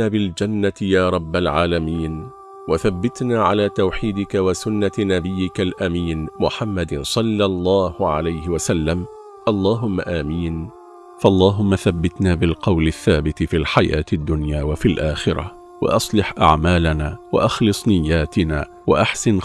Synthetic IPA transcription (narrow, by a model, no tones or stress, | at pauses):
aːbɪld͡ʒanːajaːɾˤɑbːalʕaːlamiːn | waθabːɪt̪naːʕalaːt̪awħiːd̪ɪkawasʊnːanabɪjːɪkalʔamiːnmʊħamːad̪sˤɑlːɑlˤːɑːhʊʕa̰lajhɪwasalːam | ʔɑlˤːɑːɦʊmːaʔaːmiːn | faʔɑlˤːɑːɦʊmːaθabːɪt̪naːbɪlqɑwlɪθːaːbɪt̪fiːlħaja̰ːt̪ad̪ːʊnjaːwafilʔaːxɪɾˤa̰ | wa̰ʔɑsˤlɪħʔa̰ʕmaːlanaːwa̰ʔɑxlɨsˤnɪjːaːt̪ɪna̰ː | waʔaħsɪn